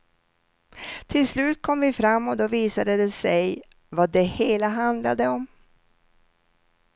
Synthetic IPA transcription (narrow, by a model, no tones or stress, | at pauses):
t̪ʰɪlslʉ̟ːt̪̚kʰɔmvɪfɾamːɔd̪ɔviːsad̪əd̪ɛsɛj | vad̪ɛheːlaɦand̪la̰d̪əɔm